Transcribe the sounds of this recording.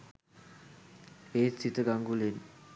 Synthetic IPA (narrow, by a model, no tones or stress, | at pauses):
eːsit̪əɡaŋɡulen